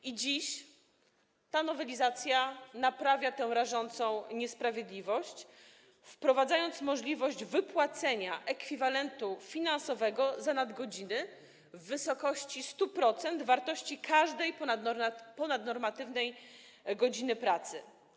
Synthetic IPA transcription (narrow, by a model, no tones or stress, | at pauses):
ʔid͡ʑiɕ | t̪anɔvɛlʲizat̪sʲjanapɾavʲjat̪ɛ̃w̃ɾaʐɔnt̪sɔ̃w̃ɲɛspɾavʲjed̪lʲivɔɕt͡ɕ | fpɾɔvad̪zajɔnt̪smɔʐlʲivɔʑd͡ʑvɘpwat̪sɛɲaʔɛkfʲivalɛnt̪ufʲinãnsɔvɛɡɔzanad̪ɡɔd͡ʑinɘ | vːɘsɔkɔɕt͡ɕist̪upɾɔt̪sɛnd̪vaɾt̪ɔɕt͡ɕikʰaʐd̪ɛj | pɔnad̪nɔɾmat̪ɘvnɛj | ɡɔd͡ʑinɘpɾat̪sɘ̰